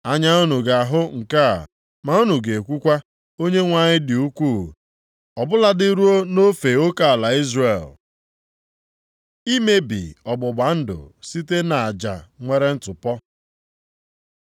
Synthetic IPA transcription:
a˦ɲa˦ʊ˦nu˨ɡa˨a˨ɦʊ˦ŋ̩˨ka˦a̰˨ | ma˨ʊ˦nu˨ɡe˨e˨kʷu˦kʷa˦ | o˦ɲe˦ŋʷa˨ɲɪ˦dɪ˨u˦kʷu˦˨ | ɔ˨bʊ˦la˦dɪ˦ɾu˦o˦no˦fe˨o˦ka˨a˨la˨i˦zre˨l | i˦me˦bɪ̰˨ɔ˨ɡ͡bʊ˨ɡ͡ba˨n̩˦dʊ̰˨si˦t̬e˦na˨a˨d͡ʒa̰˨ŋʷe˦ɾe˦n̩˦tʊ˨pɔ˦

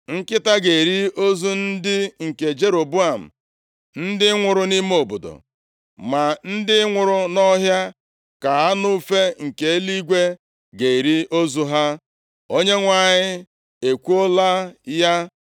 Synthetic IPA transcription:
ŋ̩˦kɪ˦ta˦ɡe˨i˨ɾi˦o˦zu˦n̩˦dɪ˦ŋ̩˨ke˨d͡ʒe˦ɾo˨bu˦a˨m̩˨ | n̩˦dɪ˦ŋʷʊ˨ɾʊ˦ni˦m˦o˨bo˨do̰˨ | ma˨n̩˦dɪ˦ŋʷʊ˨ɾʊ˦nɔ˦ɦja˦ | ka˨ɦa˦nu˦fe˦ŋ̩˨ke˨e˦li˦ɡʷe˦ | ɡe˨i˨ɾi˦o˦zu˦ɦa˦ | o˦ɲe˦ŋʷa˨ɲɪ˦ | e˨kʷu˦o˦la˦ja˦

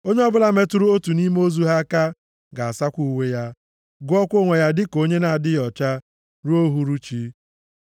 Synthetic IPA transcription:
o˦ɲe˦ɔ˦bʊ˦la˦me˦tu˦ɾu˦o˦tu˨ni˦m˦o˦zu˦ɦa˦ka˦ | ɡa˨a˨sa˦kʷu˨we˦ja˦ | ɡʊ˦ɔ˦kʷo˦ŋʷe˨ja˦dɪ˦ko˦ɲe˦na˨a˨dɪ˦jɔ˨t͡ʃa˦ | ɾu˦o˦ɦu˦ɾu˦t͡ʃi˦

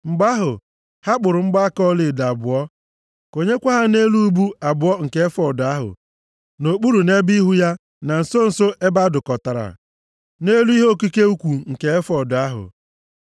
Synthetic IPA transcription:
ŋ͡m̩˨ɡ͡ba˦ɦʊ˨ | ha˦k͡pʊ˨ɾʊ˨ŋ͡m̩˦ɡ͡ba˦kɔ˦lɪ˨da˨bʊ˨ɔ˦ | ko˨ɲe˦kʷa˦ɦa˦ne˦lu˦u˦bu˦a˨bʊ˨ɔ˦ŋ̩˨ke˨˦e˦fɔ˨dʊ˨a˦ɦʊ̰˨ | no˨k͡pu˦ɾu˨ne˦bi˦ɦu˦ja˦ | na˨n̩˨so˦n̩˨so˦ʔe˦ba˦dʊ˨kɔ˨ta˨ɾa̰˨ | ne˦lu˦i˦ɦo˦˨ki˦ke˦u˦kʷu˨ŋ̩˨ke˨e˦fɔ˨dʊ˨a˦ɦʊ̰˨

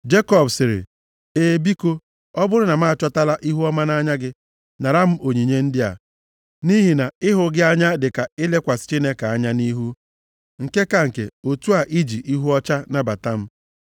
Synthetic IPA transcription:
d͡ʒe˦kɔ˦bsɪ˨ɾɪ̰˨ | e˨bi˦ko˦ | ɔ˦bʊ˦ɾʊ˦na˨ma˦a˨t͡ʃɔ˦ta˦la˦ʔi˦ɦu˦ɔ˦ma˦na˦ɲa˦ɡɪ˦ | na˨ɾa˦m̩˦o˨ɲi˨ɲe˦n̩˦dɪ˦a̰˨ | ni˦ɦi˨na˨ɪ˦ɦʊ˨ɡɪ˦a˦ɲa˦dɪ˨ka˨ɪ˦le˦kʷa˨sɪ̥˨t͡ʃi˦ne˦ka˨a˦ɲa˦ni˦ɦu˦ | ŋ̩˨ke˦ka˨ŋ̩˨kḛ˨o˨tu˦a˨ʔi˦d͡ʒi˨ʔi˦ɦu˦ɔ˦t͡ʃa˦na˦ba˨ta˦m̩˦

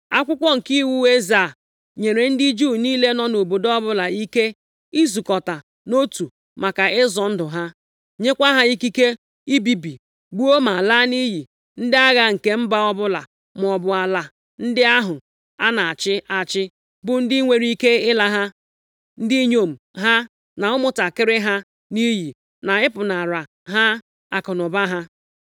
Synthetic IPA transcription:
a˦kʷʊ˦kʷɔ˦ŋ̩˨ki˦wu˦e˦za˨ | ɲe˨ɾe˨n̩˦di˦d͡ʒu˦˨niː˦le˦nɔ˦no˨bo˨dɔ˦bʊ˦la˨i˦ke˦ | i˦zu˨kɔ˨ta˨ | no˦tu˨ | ma˨ka˨ɪ˦zɔ˨n̩˦dʊ˨ɦa˦ | ɲe˦kʷa˦ɦa˦i˦ki˦ke˦ | i˦bi˨bi˨ | ɡ͡bu˦o˦ma˨la˦ni˦ɦi˨ | n̩˦dɪ˦a˦ɣa˦ŋ̩˨ke˦m̩˦ba˦ɔ˦bʊ˦la̰˨ | m˨ɔ˨bʊ˨a˨la˨ | n̩˦dɪ˦a˦ɦʊ˨ | a˦na˨a˨t͡ʃɪ˦a˨t͡ʃɪ˦ | bʊ˦n̩˦dɪ˦i˦ŋʷe˨ɾi˦ke˦ɪ˦la˦ɦa˦ | n̩˦di˦ɲo˨m̩˨ɦa˦ | na˨ʊ˦mʊ˦ta˨kɪ˦ɾɪ˦ɦa˦ | ni˦ɦi˨ | na˨ɪ˦pʊ˨na˨ɾa˨ | ɦa˦ | a˨kɔ˨nʊ˨ba˦ɦa˦

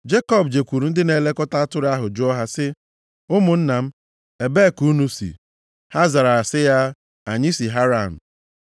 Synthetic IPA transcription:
d͡ʒe˦kɔ˦bd͡ʒe˨kʷu˨ɾu˨n̩˦dɪ˦ne˨le˦kɔ˦ta˦a˦tʊ˦ɾa˦ɦʊ˨d͡ʒʊ˦ɔ˦ɦa˦sɪ˦ | ʊ˦mʊ˨n̩˦na˨m̩˦ | e˨be˦˨ku˦nu˦sḭ˨ | ha˦za˨ɾa˨a˨sɪ˦ja˦ | a˨ɲi˦si˨ɦa˦ɾa˦˨n̩˨

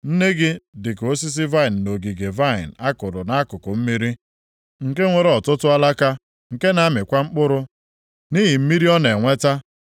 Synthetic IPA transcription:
n̩˦ne˦ɡɪ˦dɪ˨ko˦s̬i˦s̬i˦va˦ɪ˨n̩˨no˨ɡi˨ɡe˨va˦˨ɪ̰˨n̩˨a˦kʊ˨ɾʊ˨na˦a˦kʊ˨kʊ˨m̩˦mi˦ɾi˦ | ŋ̩˨ke˦ŋʷe˨ɾɔ˨tʊ˦tʊ˦a˦la˦ka˦ | ŋ̩˨ke˦na˦a˦mɪ˨kʷa˦ŋ͡m̩˦k͡pʊ˦ɾʊ˦ | ni˦ɦi˨m̩˦mi˦ɾi˦ɔ˦ne˨ŋʷe˦ta˦

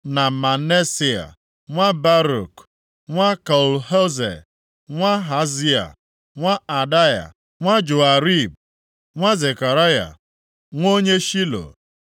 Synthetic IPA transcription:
na˨ma˨ne˦si˦a̰˨ | ŋʷa˦ba˦ɾṵ˨k | ŋʷa˦ka˨u˨lho˦zḛ˨ | ŋʷa˦ɦa˨zi˦a̰˨ | ŋʷa˦a˨da˦ja̰˨ | ŋʷa˦d͡ʒʊ˨a˨ɾi˦b̚ | ŋʷa˦ze˨ka˨ɾa˦ja̰˨ | ŋʷo˦ɲe˦ʃi˦lo̰˨

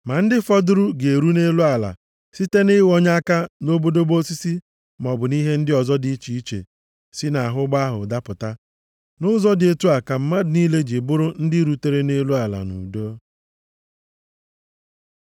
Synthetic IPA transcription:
ma˨n̩˦dɪ˦fɔ˦dʊ˦ɾu˦ɡe˨ɾu˦ne˦lu˦a˨la̰˨ | si˦te˦nɪ˦wɔ˦ɲa˦ka˦no˦bo˦do˦bo˦si˦si˦ | m˨ɔ˨bʊ˨ni˦ɦe˦n̩˦dɪ˦ɔ˨zɔ˦di˨˦t͡ʃi˨i˦t͡ʃḛ˨ | si˦na˨a˨ɦʊ˦ɡ͡ba˦ɦʊ̰˨da˦pʊ˨ta˦ | nʊ˦zɔ˦dɪ˨e˦tu˦a˨ka˨m̩˨ma˦dɪ˨niː˦le˦d͡ʒi˨bʊ˦ɾʊ˦n̩˦dɪ˦ɾu˨te˦ɾe˦ne˦lu˦a˨la̰˨nṵ˨do˦

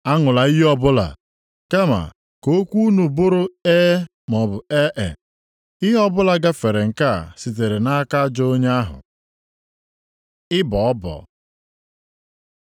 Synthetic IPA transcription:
a˦ŋʊ˨la˨i˦ɦi˦ɔ˦bʊ˦la̰˨ | ke˦ma̰˨ | ko˦kʷu˦nu˨bʊ˦ɾʊ˦e˦ | mɔ˨bʊ˨e˦ʔḛ˨ | i˦ɦɔ˦bʊ˦la˨ɡa˦fe˨ɾe˨ŋ̩˨ka̰˦˨si˨t̬e˨ɾe˨na˦ka˦d͡ʒo˦o˦ɲe˦a˦ɦʊ̰˨ | ɪ˦bɔ˨ɔ˦bɔ̰˨

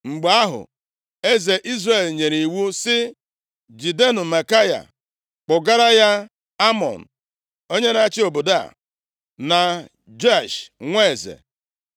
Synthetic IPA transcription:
ŋ͡m̩˨ɡ͡ba˨a˦ɦʊ̰˨ | e˦ze˨ʔi˦zre˨lɲe˨ɾi˨wu˦sɪ˦ | d͡ʒi˨de˦nʊ˨ma˨ka˦ja̰˨ | k͡pʊ˨ɡa˦ɾa˦ja˦ | a˦mɔ̰˨n̩˨ | o˦ɲe˦na˦t͡ʃɪ˦o˨bʊ˨da̰˦˨ | na˨ | d͡ʒa˦˨ʃŋʷe˦e˨zḛ˨

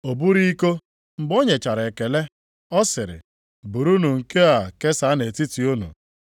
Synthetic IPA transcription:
o˨bu˦ɾi˦ko˦ | m̩˨bo˦ɲe˨t͡ʃa˨ɾe˨ke˨le˦ | ɔ˦sɪ˨ɾɪ̰˨ | bu˨ɾu˦nu˨ŋ̩˨ke˦a˨ke˦sa˨˦ne˨ti˦ti˨u˦nṵ˨

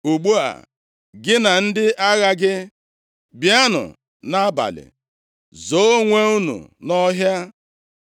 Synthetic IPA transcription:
u˨ɡ͡bu˦a̰˨ | ɡɪ˦na˨n̩˦dɪ˦ʔa˦ɣa˦ɡɪ˦ | bja˦nʊ̰˨ | na˦a˦ba̰˨lɪ̰˨ | zo˨˦ŋʷe˦u˦nṵ˨nɔ˦ɦja˦

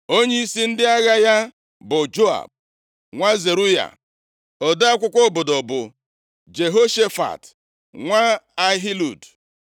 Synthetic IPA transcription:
o˦ɲe˦i˦si˦n̩˦dɪ˦a˦ɣa˦ja˦ | bʊ˨d͡ʒo˦a̰˨b̚ | ŋʷa˦ze˨ɾu˦ja̰˨ | ɔ˨da˦kʷʊ˦kʷɔ˦bʊ˨dɔ˨bʊ˨ | d͡ʒe˨ɦo˦ʃe˦fa̰˨t | ŋʷa˦a˦ɦi˦lṵ˨d

